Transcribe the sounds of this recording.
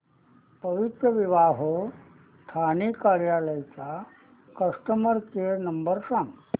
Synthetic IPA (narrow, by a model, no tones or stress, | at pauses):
pəʋit̪ɾəʋiʋaːɦo | st̪ʰanikaɾjaːləjt͡sa | kəʂʈəməɾkenɐmbəɾʂam